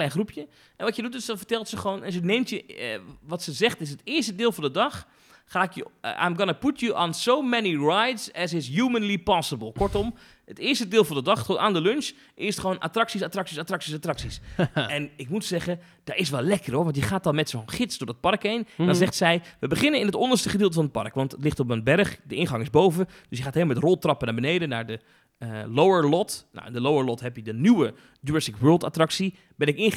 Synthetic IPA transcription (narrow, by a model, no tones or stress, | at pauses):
klɛjnxrupʰjə | ʔɛnʋɔtjədutɪsdɔnfərtɛlˠtsəχəʋoːnɛnsəneːmtjəʋɔtsəzɛxtɪs̬ətɪərstədɪːlˠfɔ̃ndədɔxː | aːɪkjəʔa̰mɡɔnəputʰjəʔɔnsowmɛniɹajdsɛsɪs̬juːmənlipɔsəbəlˠkɔrtɔm | ətɪərstədɪːlˠfɔ̃ndədɑxtonʔaːndəlønʃ | ʔɪsətχəʋoːnʔa̰traksisatraksisatraksisatraksisɛnɪkmutsɛχə | d̥aɪsʋɛlˠlɛkəroɹʋɑnt̬jəχaːtɑnˠmɛtsonχɪtsdʊɹdət̚pɑrkendɔnnzɛχtsɛjʋəbəχɪnənɪnɦətɔndərstəχədɪːlˠtəfɑnət̚pɑ̰rkʋɑntətlɪχtɔpmənbɛrχdəɪnχɑŋɪzbowvə | d̥ɵsjəχaːtelmɛtrɔlˠtrɑpənaːɹbənejdənaːɹdə | lowəɹlɔtna̰ɪ̰ndəlowəɹlɔtɦɛpjədənywə | duɛsɪkʋɜːlˠta̰trɑksi | bɛnɪkɪn